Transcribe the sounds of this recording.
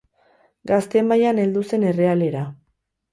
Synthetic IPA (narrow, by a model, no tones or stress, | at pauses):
ɡast̪e̞majane̞ld̪use̞ne̞re̞ale̞ɾa